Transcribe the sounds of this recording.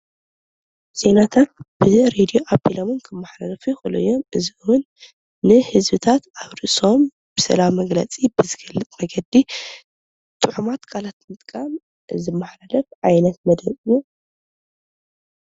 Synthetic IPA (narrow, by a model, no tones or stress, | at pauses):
z̥e̞nat̪ʰat̪̚b̥ɨɾed̪ijo̞ʔabilomɨnkʰɨmːaħlalɐfuxɨlṵjːomɨziwʊnː | ɨhɨzbɨt̪ʰat̪aβɾɨʔso̞m | b̥ɨsɐ̰lawmɐɡlɐ̰t͡sʼibɨzɨɡɐlːɨt̪ʼmɐɡɐd̪i | t̪ʼɨħumat̪kʰalat̪mɨt̪ʼkʼam | ɨzɨmːaħlalɐfʕajnɐt̪̚mɐd̪ɐβju